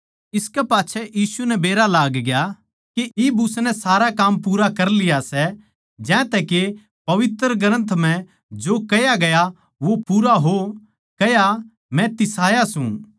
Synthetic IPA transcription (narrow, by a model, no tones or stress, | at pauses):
ɪskɛpaːtːʃʰɛjiːsunɛbeːɾalaːɡɡja | keibʊsnɛsaːɾakaːmpuːɾakɐɾlɪjasɛ | d͡ʒɛ̃ːt̪ɛke | pɐʋɪt̪ɾəɡɾə̃nt̪ʰm̤ɛ̃ | d͡ʒoːkɐjaɡɐja | ʋopuːɾaɦo | kɐja | mɛ̃t̪ɪsaːjasũ